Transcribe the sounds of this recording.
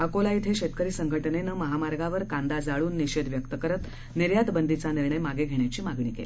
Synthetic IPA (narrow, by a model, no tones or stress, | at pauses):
əkolait̪ʰeɕet̪kəɾiːsəŋɡʱəʈnenəməɦamaɾɡaʋəɾkãnd̪ad͡zaɭuːnːiɕed̪ʋjəkt̪əkəɾət̪ | niɾjad̪bənd̪ʱit͡saniɾɳəjmaɡeɡʱeɳ̃jat͡ɕiːmaɡɳiːkḛl